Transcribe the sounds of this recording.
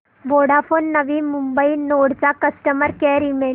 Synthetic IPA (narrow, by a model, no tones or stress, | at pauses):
ʋoɽafonːəʋiːmumbəinoɽt͡sakəsʈəməɾkɛɾime